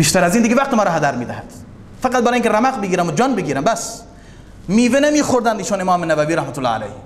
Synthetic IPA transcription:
biːʃt̪æɾæzind̪iɡevæq̚t̪emɒːɾɔːɦad̪æɾmiːd̪æhæd̪̥ | fæqæt̪̚bæɾɑːjiŋkʰʲeɾæmæqbeɡiːɾæmod͡ʒɒːnbeɡiːɾæmbæs | miːvenemiːxoɾd̪ænd̪iːʃonemɑːmenævæviːɾæhmæt̪ʰʊlːɑ̰ːa̰læ̰j

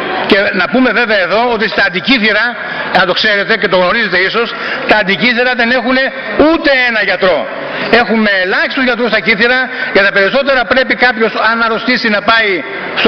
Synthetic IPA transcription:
ce̞nɐpume̞ve̞veɐeðo̞ot̪̬ist̪ɐːnd̪iciθiɾɐ | ɐt̪o̞kse̞ɾe̞t̪e̞ce̞t̪o̞ɣno̞ɾize̞t̪e̞iso̞s | t̪ɐːnd̪iciθiɾɐðe̞ne̞xune̞ | ut̪e̞enɐʝɐt̪ɾo̞ | e̞xume̞ːlɐçist̪uzʝɐt̪ɾust̪ɐciθiɾɐjʝɐt̪ɐpe̞ɾiso̞t̪e̞ɾɐpɾe̞pikɐpço̞sɐnɐɾo̞st̪isinɐpɐi | s

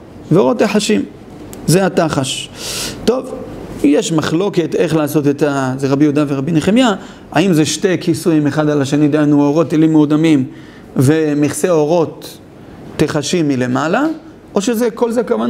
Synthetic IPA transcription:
veo̞ʁo̞t̪ːeħaʃim | zeat̪aχaʃt̪o̞vjeʃmaχlo̞ke̞t̪e̞χlaːso̞t̪et̪azeʁabijud̪aveʁabineχemja | a̰imzeʃte̞jkʰisujimeχad̪alaʃenid̪anuoʁo̞t̪elimeud̪amim | vemiχseo̞ʁo̞t̪ː | eχaʃimːile̞mala | ʔo̞ʃezeko̞lzekavan

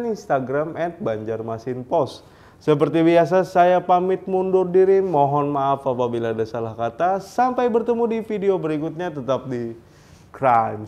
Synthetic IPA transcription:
ninst̪aɡɾamɛt̪̚baɲd͡ʒarmasɪnpɔst̪ | səp̬ərt̪ibias̬asajapamɪt̪̚mundʊrdiɾimɔɦɔnmaːfapabilaːdasalahkat̪asampajbərt̪əmudifideobəɾikut̪̚ɲat̪ət̪ap̚di | kɾajm

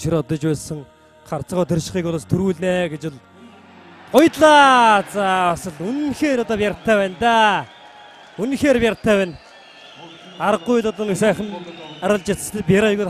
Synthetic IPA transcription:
ʃiɾɔt̪ɞ̆t͡ɕpæːɮsə̆ŋ | χart͡sə̆ʁʊt̪ʰĕrʃɪ̆χiːkʊɮaːst̪ʰuɾuːɮneːɡet͡ɕʊ̆ɮ | ɢʊjt̪ɮaːt͡saːasə̆ɮunxeːɾɔt̪ɔːpʲjaɾt̪ʰæːwæːnt̪aː | unxeːɾpʲjart̪ʰæːwæːn | aɾə̆ɡʊjɮɔt̪əːniksæːχə̆naɾə̆ɮt͡ɕat͡sə̥̆t̪ʰeːpʲjaɾaɣuːt̪

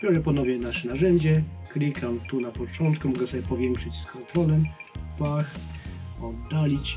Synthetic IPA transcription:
bʲɔɾɛpɔnɔvʲjɛnaʂɛnaʐɛɲd͡ʑɛklʲikʰamt̪unapɔt͡ʂɔnt̪kumɔɡɛsɔbʲjɛpɔvʲjɛŋkʂɘt͡ɕskʰɔnt̪ɾɔlɛmpax | ɔd̪ːalʲit͡ɕ

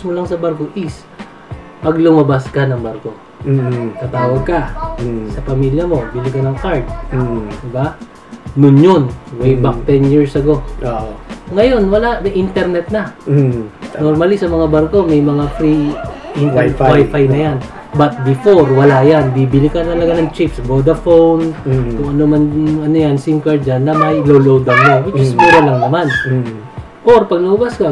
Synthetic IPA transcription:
smolɐŋsɐbaɾko̞ʔɪs | pɐɡlʊmɐbaskanɐŋbaɾko̞ | t̪at̪aːwɐɡ̚kɐsɐpɐmiljɐmo̞bɪlɪkɐnɐŋkaɹt̪̚ːd̪ɪba | nʊnjonmɐjbakt̪ɛnjiɹsɐɡo̞oŋɐjo̞nwɐlanɐʔint̪ɛɾnɛt̪̚nɐ | noɾmalɪsɐmɐŋabɐɾko̞mɐjmɐŋafɾiʔɪnwajfajnɐjan | bɐt̪̚bɪfo̞ɾwɐlajanbibɪlɪkɐnt̪ɐlɐɡanɐŋt͡ʃɪpsɐbod̪ɐfownkʊŋʔɐnomɐnɐnojansɪŋkɐɹd͡ʒanːɐmɐjlolowd̪ɐwnawɪd͡ʒɪskuɾɐlɐŋnɐman | ʔoɾpɐɡ̚nɐʔʊbaskɐ

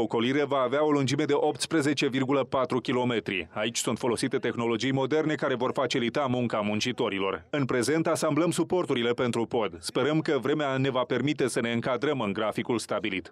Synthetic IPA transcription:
oko̞liɾe̞vaːveao̞lund͡ʒime̞d̪e̞ʔo̞p̚t̪spɾe̞ze̞t͡ʃe̞virɡuləpat̪ɾukʲilo̞me̞t̪ɾḭait͡ʃʲsunt̪fo̞lo̞sit̪e̞t̪e̞xno̞lo̞d͡ʒijmo̞d̪e̞rne̞kaɾe̞vo̞rfat͡ʃilit̪amuŋkamunt͡ʃit̪o̞ɾilo̞̰rɨnpɾe̞ze̞nt̪asambləmsupo̞rt̪uɾile̞pe̞nt̪ɾupo̞d̪spe̞ɾəmkəvɾe̞meane̞vape̞rmit̪e̞səne̞ɨŋkad̪ɾəmɨŋɡɾafikulst̪abilit̪

